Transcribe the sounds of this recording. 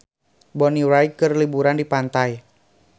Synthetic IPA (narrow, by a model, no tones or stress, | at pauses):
bɔniwɾajkərlibuɾandipant̪aj